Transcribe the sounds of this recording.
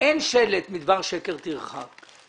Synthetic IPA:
enʃelet̪mid̪vaʁʃeke̞ʁt̪iʁχak

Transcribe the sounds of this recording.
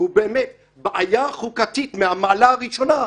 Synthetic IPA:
ubeːmet̪ | baʔajaχukat̪it̪meamaːlaːʁiʃo̞na

